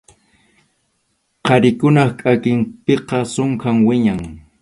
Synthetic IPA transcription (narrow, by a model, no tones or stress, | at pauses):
qɑɾɪkʊnɑχkʼakɪmpeqɑsoʊŋkaŋwɪɲaŋ